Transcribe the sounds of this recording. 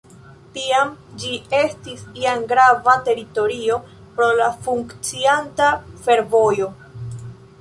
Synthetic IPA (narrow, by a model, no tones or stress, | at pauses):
tiamd͡ʒie̞stisiaŋɡɾavate̞ɾito̞ɾio̞ | pɾo̞lafuŋkt͡siantafe̞ɾvo̞jo̞